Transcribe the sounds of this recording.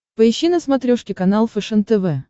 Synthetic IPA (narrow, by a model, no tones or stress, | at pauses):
pəɪɕːinəsmɐt̪ɾʲoʂkʲɪkɐnalˠfɛʂɛnt̪ɛvɛ